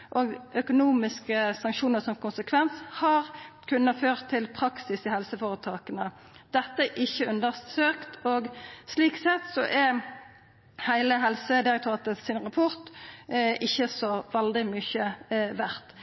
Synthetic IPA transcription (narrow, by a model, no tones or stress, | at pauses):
ʔɔːɡʔœkʊnuːmɪskəsɑŋkʃuːnəʁsɔmkʰʊnsəkʰʋɛnshɑʁkʰʉnːəføːʁt̪ʰːɪlpʰɾɑksɪsɪhɛlsəfoːʁət̪ʰɑːkənə | d̪̥ɛt̪ːəʔɪçːəʉnd̪əʁsøːkt̪ɔɡsliːksɛt̪sɔʔɛ | hæɪləɦɛlsəd̪ɪɾɛk̚t̪ʊɑːt̪əsɪnʁɑpʰɔʁt̪ | ɪçːəsɔʋɛld̪ɪmʏçəʋæʁt̪